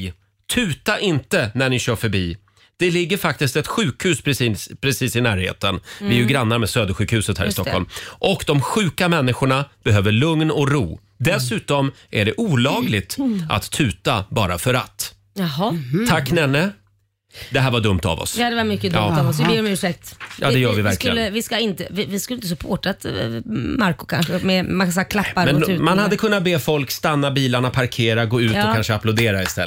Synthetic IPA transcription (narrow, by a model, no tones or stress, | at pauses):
t̪ʰʉ̟ːt̪aʔɪnt̪ənæɳɪɕœːfœɾbiː | d̪̥ɛlɪɡːəɾfak̚t̪ɪst̪ɛt̪ɧʉ̟ːkhʉ̟ːspipʰɾɛsiːsɪnæːɾhḛːt̪ənvɪɛɾjɵɡɾanːaɾmɛsøːd̪əɧʉːkhʉ̟ːsət̪hæ̰ːɾɪst̪ɔkʰːɔ̰lmʔɔkd̪ɔmɧʉ̟ːkamɛnːɪɧʊɳab̥ɛɦøːvəɭɵŋnɔkɾṵː | d̪ɛsʉ̟ːt̪ɔm | ʔæɖɛʔuːlɑːɡlɪɡt̪ʔa̰t̪ʰːʉ̟ːt̪abɑːɾafœɾa̰t̪ː | ɑɦɔt̪ʰakːnɛnːə | d̪ɛɦæːɾvaɖɵmt̪a̰vɔ̰sjd̪ɛvamʏkːəd̪ɑːɔsɪɾmʉ̟ːʂɛk̚t̪jɑ̰ːd̪ɛjœːɾvɪvæɾksklɪɡ̪ːəvɪskaɪnt̪əvɪvɪskɵləɪnəs̬ɵpʰoːʈat̪ | maɾkʊ̥kʰa̰nɧəmɛmakansɛakʰlapːaɾmɛnʉːmanhad̪ːəkʰɵnːat̪̚beːfɔlkst̪anːabiːlaɳapʰaɾkʰeːɾaɡoːʉ̟ːt̪ɔːkanʂəaplʊd̪eːɾaɪst̪ɛ̰l